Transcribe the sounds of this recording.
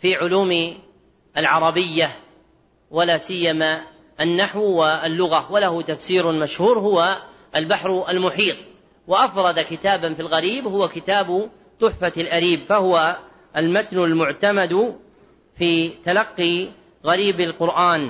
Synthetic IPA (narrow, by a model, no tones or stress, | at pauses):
fiːʕʊluːm | alʕɑɾˤɑbɪjːa | walaːsɪjːama | ʔanːaħwwɪalːʊɣawalahʊt̪afsiːɾmaʃhuːɾhʊwa | ʔalbaħɾalmʊħiːt̪ˤ | waʔafɾˤɑd̪akɪt̪aːbanfilɣaɾiːbhʊwakɪt̪aːb | t̪ˤʊħfaalʔaɾiːbfahʊwa | ʔalmat̪nʊlmʊʕt̪amad̪ | fiːt̪alɑqːi | ɣaɾiːbalqʊɾʔaːn